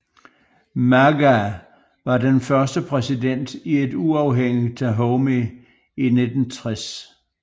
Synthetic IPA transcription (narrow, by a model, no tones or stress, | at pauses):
mæɡæ | ʋɑ̈d̥enfɶɐsd̥əpʰʁɛsid̥en̰d̥ie̝duɑ̈ʊɦeŋ̰it͡sʰæɦɔʊmi | ine̝d̥n̩t͡sʰʁɛs